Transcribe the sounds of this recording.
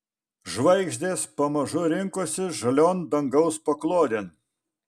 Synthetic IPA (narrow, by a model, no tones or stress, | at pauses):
ʒʋɐɪɡʒʲd̪ʲeːspɐmɐʒʊɾʲɪŋkoːsʲɪʒɐlʲoːnd̪ɐŋɡɐʊspɐklˠoːd̪ʲeːn